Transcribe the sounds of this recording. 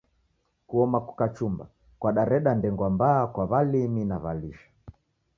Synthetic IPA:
kuɔmakukat͡ʃumba̰ | kwaɗaɾɛɗandɛŋɡwambaːkwaβaliminaβaliʃḁ

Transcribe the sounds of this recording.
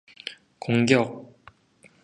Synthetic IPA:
koŋɡjʌk̚

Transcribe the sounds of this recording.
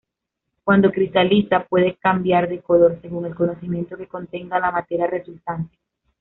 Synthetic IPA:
kwand̪o̞kɾist̪alisapwe̞ðekambjaɾðe̞ko̞lo̞ɾse̞ɣuŋe̞lko̞no̞simje̞nt̪o̞ke̞ko̞nt̪e̞ŋɡalamat̪e̞ɾjaresut̪ant̪e̥

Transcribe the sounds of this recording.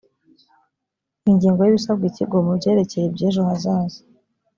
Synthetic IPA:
iɲɟiːŋɡo̞jiβisabɡiciɡomubɟe̞ːɾe̞ce̞jebɟeːʒohazaːzi̥

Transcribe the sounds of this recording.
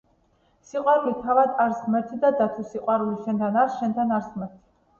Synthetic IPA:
siqʼwaɾulit̪ʰavad̪aɾsmɛɾt̪ʰid̪ad̪at̪ʰwusiqʼwaɾuliʃɛnt̪ʰanaɾsʃɛnt̪ʰanaɾsmɛɾt̪ʰi̥

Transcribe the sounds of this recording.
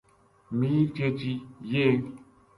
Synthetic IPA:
mit͡ʃet͡ʃije

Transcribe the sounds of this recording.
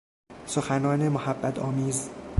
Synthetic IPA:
soxænɒːnemohæbːæt̪ʰɒ̰ːmiːz

